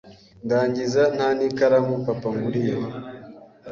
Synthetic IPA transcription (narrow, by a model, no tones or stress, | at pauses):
ndaɲd͡ʒizananikaɾamupapaŋɡuɾija